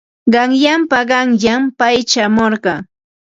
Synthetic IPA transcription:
ɢɑŋjampaɢɑŋjampajt͡ʃamoɾɢɑː

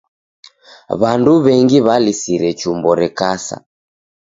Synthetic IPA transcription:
βanduβɛŋɡiβalisiɾɛt͡ʃumbɔɾɛkasa̰

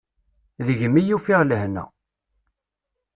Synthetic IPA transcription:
ðəʝmijufiʁləhnæ̰

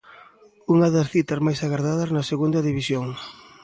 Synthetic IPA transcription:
uŋɐðɐsθit̪ɐzmajsaɣaɾðaðɐznɐseɣund̪ɐðiβisjoŋ

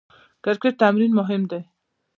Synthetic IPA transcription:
kaɾkeʈ̚t̪amɾinmʊɦɪmd̪e

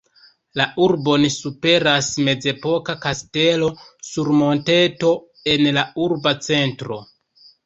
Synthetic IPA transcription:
laʔuɾbo̞nisupe̞ɾasme̞d͡ze̞po̞kakaste̞losuɾmo̞nte̞to̞ | e̞nlauɾbat͡se̞ntɾo̞

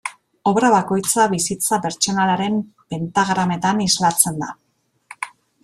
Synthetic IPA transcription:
o̞βɾaβako̞jt͡saβisit͡sape̞ɾt͡ʃo̞nalaɾe̞mpe̞nt̪aɣɾame̞t̪anislat͡se̞nd̪a

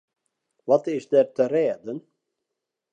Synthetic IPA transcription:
ʋɔtɪsdɛrtərɛːdən

